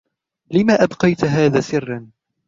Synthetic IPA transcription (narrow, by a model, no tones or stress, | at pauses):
lɪmaːʔabqɑjt̪ɦaːðaːsɪrːɑn